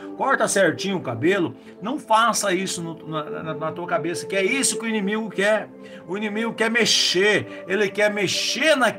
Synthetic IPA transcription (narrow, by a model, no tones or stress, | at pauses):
kɔɾt̪ɐsɛɾt͡ʃĩɲʊʊkabelʊ | nɐ̃w̃fasɐisʊnʊnɐnɐnɐt̪uɐkabesɐkɪɛisʊkɪʊinĩmiɡʊkɛɾ | ʊinĩmiɡʊkɛɾmeʃeɾ | elɪkɛɾmeʃeɾnɐ